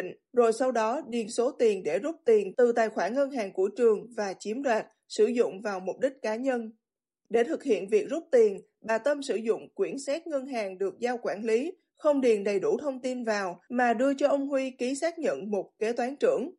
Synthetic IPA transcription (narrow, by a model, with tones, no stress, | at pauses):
ŋ | zo˨˩jsa˧wɗɔ˨˦ɗi˨˩ənso˨˦t̪i˨˩ənɗe˧˩zʊ˦˥p̚t̪i˨˩ənt̪ɨ˨˩t̪aː˨˩jxwaː˧˩nŋə˧nɦaː˨˩ŋkṵ˧˩ət͡ɕɨ˨˩əŋvaː˨˩t͡ɕi˨˦əmzwaː˨˩t̚ | sɨ˧˩zʊ̰˧˨ŋ͡mvaː˨˩wmʊ˨˩k͡p̚ɗï˦˥k̟̚kaː˨˦ɲə˧n | ɗe˧˩t̪ʰɨ˨˩k̚hḭ˧˨ənvi˨˩ək̚zʊ˦˥k͡p̚t̪i˨˩ən | ɓaː˨˩t̪ə˧msɨ˧˩zʊ̰˧˨ŋ͡mkwi˧˩ənsɛ˦˥t̚ŋə˧nɦaː˨˩ŋɗɨ˨˩ək̚zaː˧wkwaː˧˩nli˨˦ | xə˧wŋ͡mɗi˨˩ənɗə˨˩jɗu˧˩t̪ʰə˧wŋ͡mt̪i˧nvaː˨˩wmaː˨˩ɗɨ˧ət͡ɕɔ˧ʔə˧wŋ͡mɦwi˧ki˨˦saː˦˥k̚ɲə̰˧˨nmo˨˩t̚ke˨˦t̪waː˨˦nt͡ɕɨ̰˧˩əŋ